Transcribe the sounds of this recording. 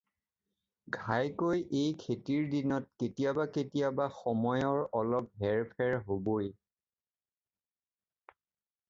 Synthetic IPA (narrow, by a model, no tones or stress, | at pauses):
ɡʱajkojʔejkʰetiɹdinɔt̚ketijabaketijabaxɔmɔjɔɹɔlɔp̚ɦɛɹpʰɛɹɦoboj